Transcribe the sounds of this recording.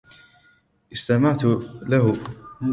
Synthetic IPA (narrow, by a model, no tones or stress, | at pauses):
ʔɪst̪amaʕt̪laɦʊ